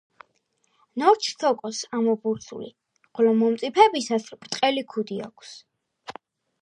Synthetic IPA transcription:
nɔɾt͡ʃʰt̪ʰɔkʼɔsamɔbuɾsʰṵlḭ | χɔlɔmɔmt̪sʼipʰɛbisaspʼɾt̪ʼqʼɛlikʰud̪ia̰kʷʰs

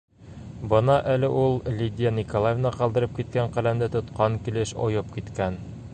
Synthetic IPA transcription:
bɤnɑʔælɘʔulˠlʲid̪ʲɪjanʲikolˠajevnɑqɒlˠd̪ɤ̆ɾɤp̚kit̪̚kæɴqælæmd̪ɘt̪ŏt̪qɑŋkilɘʃɒ̰jɤp̚kit̪kæn

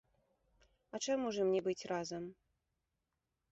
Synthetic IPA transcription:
ɐt͡ʂamuʐɨmnʲɛbɨt͡sʲrazɐm

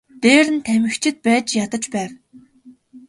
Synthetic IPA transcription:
t̪eːɾɘ̆nt̪ʰæmɘ̆xt͡ɕʰɪ̆t̪̚pæːt͡ɕjat̪ə̆t͡ɕpæːw

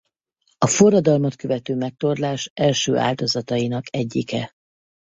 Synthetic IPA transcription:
ɒforːɒd̪ɒlmo̞t̪køvɛt̪øːmɛk̚t̪o̞rlaːʃɛlʃø̰ːʔa̰ːld̪o̞zɒt̪ɒinɒkɛɟːikɛ

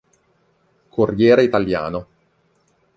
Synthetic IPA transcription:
kʰorjɛːɾeit̪alja̰ːno

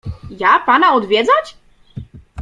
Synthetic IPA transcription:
japanaɔd̪vʲjɛd̪zat͡ɕ

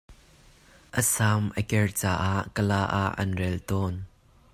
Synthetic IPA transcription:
ʔəsaːmʔəkɛrt͡saːʔaʔkəlaːʔa̰ʔɐ̰nrɛlt̪ɔːn

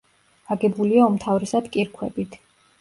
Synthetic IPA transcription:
aɡɛbuliaɔmt̪ʰavɾɛsad̪kʼiɾkʰwɛbit̪ʰ

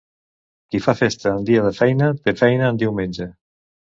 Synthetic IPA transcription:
kifafest̪əːnd̪iaðəfɛjnət̪efɛjnəːnd̪iwmẽnʲd͡ʒe

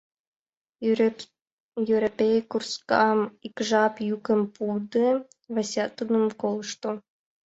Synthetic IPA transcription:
juɾopʲejkurskɑmikʒɑpjukə̆mpud̪ɨ | vasʲɑt̪unomkolˠʃt̪o

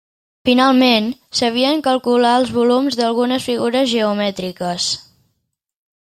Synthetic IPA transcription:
finalˠmensəβiəŋkəlˠkulaəlˠzβulumzðəlˠɣunəsfiɣuɾəzʒəumɛt̪ɾikəs

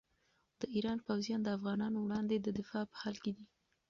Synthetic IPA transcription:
d̪̥əʔiɾɑnpawzijɑnd̪əafɣɑnɑnowɽɑnd̪ed̪əd̪ɪfɑpə̥hɑlked̪i

